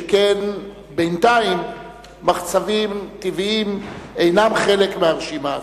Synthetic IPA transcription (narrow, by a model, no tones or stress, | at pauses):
ken | bejnt̪aimː | aχt͡savimt̪iviime̞jnamχe̞lekmeaʁʃima